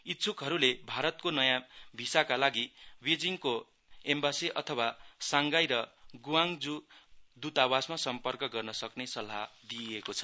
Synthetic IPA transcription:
it̪ːt͡sʰukɦʌɾulebʱaɾʌt̪̚konʌjãbʱisakalaɡibed͡ziŋko | embasiʔʌt̪ʰʌwasaŋɡajɾʌɡuwaŋd͡zud̪ut̪awasmasʌmpʌrkʌɡʌrnʌsʌknesʌlɦad̪iekot͡sʰʌ̥

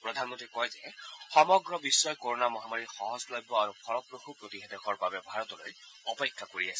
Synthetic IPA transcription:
pɹɔd̪ʱanmɔntɹikɔjzɛxɔmɔɡɹɔbisːɔjkoɹɔnamɔɦamaɹixɔɦɔzblajbɔaɹuxʰɔɹɔpɹoxupɹot̪iɦɛdɛxʰɔɹbabɛbʱaɹɔt̪ɔlo̰j | ɔpekʰːakoɹiasɛ

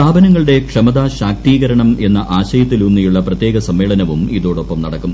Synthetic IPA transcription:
aːbɐnɐŋːɐɭɨɽe̞kʂɐmɐðaːɕaːk̚t̪iːɣɐɾɐɳɐme̞nːɐʔaːɕɐjɐt̪ːilunːijuɭːɐprɐt̪ːjeːɡɐsɐmːe̞ːɭɐnɐʋumiðo̞ːɽo̞pːɐmnɐɽɐkːum

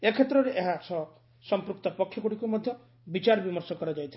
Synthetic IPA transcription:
ekʰet̪ːɾɔɾeʔeɦasʰɔ | sɔmpɾukt̪ɔpɔkʰːjɔkuɽikumɔd̪ʱjɔ | bit͡ʃaɾbimɔɾsɔkɔɾad͡ʒajt̪ʰi

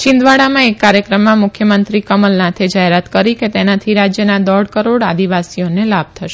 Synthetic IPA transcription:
t͡ʃɪ̃nd̪ʋaɽamãekːaɾjəkɾəmːãmʊkʰjəmənt̪ɾikəməlnãt̪ʰed͡ʒaɦeɾat̪kəɾiket̪enat̪ʰiɾad͡ʒjənad̪ɔɽkəɾoɽad̪iʋasionelab̚t̪ʰəʃe

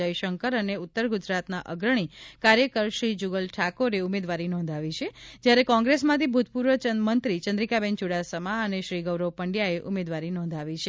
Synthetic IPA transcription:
ajʃəŋkəɾəneʊt̪ːəɾɡud͡ʒɾat̪naʔəɡɾəɳ̃ikaɾjəkəɾʃɾid͡ʒuɡəlʈʰakoɾeumed̪ʋaɾinɔ̃nd̪ʱaʋit͡ʃʰed͡ʒjaɾekɔ̃ŋɡɾesmãt̪ʰibʱut̪̚puɾʋət͡ʃənmənt̪ɾit͡ʃənd̪ɾikabɛnt͡ʃuɽasəmaəneʃɾiɡəʋɾəʋpəɳɖjaeʔumed̪ʋaɾinɔ̃nd̪ʱaʋit͡ʃʰe

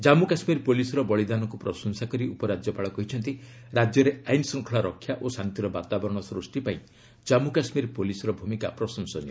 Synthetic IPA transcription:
d͡ʒamukasmiɾpolisɔɾɔbɔɭid̪anɔkupɾɔsɔnsakɔɾiupɔɾad͡ʒjɔpaɭɔkɔɦit͡ʃʰɔnt̪i | ɾad͡ʒjɔɾeajnsɔ̃ŋkʰɔɭaɾɔkʰːjaʔosant̪iɾɔbat̪abɔɾɔɽ̃ɔsɾusʈipaĩ | d͡ʒamukasmiɾpolisɔɾɔbʱumikapɾɔsɔnsɔnjɔ

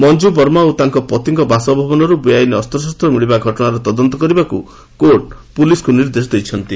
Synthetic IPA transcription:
mɔnd͡ʒubɔɾmaut̪aŋkɔpɔt̪iŋkɔbasɔbʱɔbɔnɔɾubujajneɔst̪ɾɔs̬ast̪ɾɔmiɭibaɡʱɔʈɔɽ̃aɾɔt̪ɔd̪ɔnt̪ɔkɔɾibakṵ | koɾʈ̚puliskuniɾd̪es̬ɔd̪ejt͡ʃʰɔnt̪i

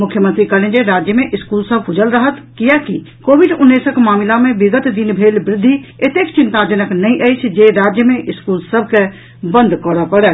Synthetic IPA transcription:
mʊkʰjəmənt̪ɾikəlẽnd͡ʒeɾaːd͡ʒjəmẽʔɪskuːlsəb̚ʱkʰʊd͡ʒəlɾəɦət̪kijaki | koːʋiɖʊnːeːsəkmaːmɪlamẽbɪɡət̪d̪inbʱeːlbɾɪd̪ʱːiet̪eːkt͡ʃɪ̃nt̪ad͡ʒənəknəĩʔəɪt͡ʃʰd͡ʒeɾaːd͡ʒjəmẽʔɪskuːlsəbʱke | bə̃nd̪ʱkɔɾapəɽɛ

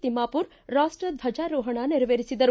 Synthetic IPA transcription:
t̪imaːpuɾ | ɾaːʂʈɾɐd̪bʱɐd͡ʒaːɾuːɦɐɳaniɾɐʋeːɾisid̪ɐɾu

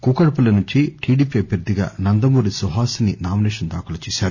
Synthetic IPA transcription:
kuːkɐɽɐpɐlɐnuɲt͡ʃiʈʰiːɖiːpiɐbʱjɐɾd̪iɡa̰ːnɐnd̪ɐmuːɾisuɦaːsɐninaːminɛːʂɐnd̪aːkulɐt͡ʃɛːsaːɾu

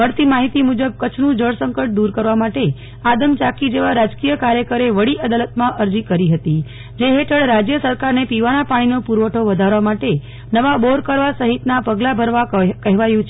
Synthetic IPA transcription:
əɾt̪imaɦit̪imud͡ʒəb̚kət͡ʃʰnũd͡ʒəɭsəŋkəʈ̚d̪uɾkəɾʋamaʈe | ad̪əmt͡ʃakid͡ʒeʋaɾad͡ʒkijəkaɾjəkəɾeʋəɽiʔəd̪alət̪mãʔəɾd͡ʒikəɾiɦət̪i | d͡ʒeɦeʈʰəɽɾad͡ʒjəsəɾkaɾnepiʋanapaɽ̃inopuɾʋəʈʰoʋəd̪ʱaɾʋamaʈe | nəʋaboɾkəɾʋasəɦit̪napəɡlabʱəɾʋakəɦʋajũt͡ʃʰ

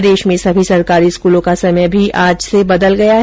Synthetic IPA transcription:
d̪eːʃmẽsɐbʱisɐɾkaːɾiɪskuːlõkasɐməjbʱiʔaːd͡ʒsebɐd̪əlɡɐjaɦ

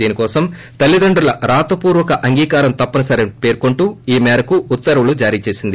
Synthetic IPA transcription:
iːnikɔːsɐm | t̪ɐlːid̪ɐɳɖɾulɐɾaːt̪ɐpuːɾʋɐkɐʔɐŋɡiːkaːɾɐmt̪ɐpːɐnɐsɐɾepe̞ːɾkoɳʈuːiːmɛːɾɐkuːt̪ːɐɾɐʋulud͡ʒaːɾiːt͡ʃe̞ːsind̪i

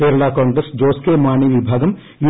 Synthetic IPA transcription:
peːɾlaːkãːŋɡɾesd͡ʒoːskemaːniʋibʱaːɡəm | ju

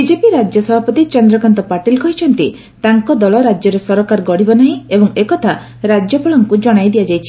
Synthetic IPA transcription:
bid͡ʒepiɾad͡ʒjɔsɔbʱapɔt̪it͡ʃɔnd̪ɾɔkant̪ɔpaʈilkɔɦit͡ʃʰɔnt̪i | t̪aŋkɔd̪ɔlɔɾad͡ʒjɔɾesɔɾɔkaɾɡɔɽibɔnaɦĩebɔŋekɔt̪ʰa | ɾad͡ʒjɔpaɭɔŋkud͡ʒɔɽ̃ajd̪iad͡ʒajt͡ʃʰi

